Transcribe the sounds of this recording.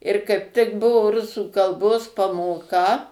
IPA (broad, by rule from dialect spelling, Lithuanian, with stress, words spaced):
ɪr kɐɪp tʲɪk ˈbʊʋoː ˈrʊsuː kɐlˠˈboːs pɐmoːˈkɐ